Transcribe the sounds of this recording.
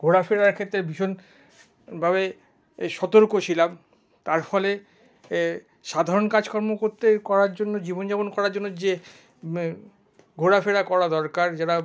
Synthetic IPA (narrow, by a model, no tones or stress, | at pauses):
ɡʱoɽafeɽaɾkʰet̪ːɾebʱiʃon | bʱaβe | ʃɔt̪oɾkot͡ɕʰilam | t̪aɾfɔle | ʃad̪ʱaɾonkad͡ʑkɔɾmokoɾt̪ekɔɾaɾd͡ʑonːod͡ʑibond͡ʑabonkɔɾaɾd͡ʑonːod͡ʑe | ɡʱoɽafeɽakɔɾad̪ɔɾkaɾd͡ʑaɾa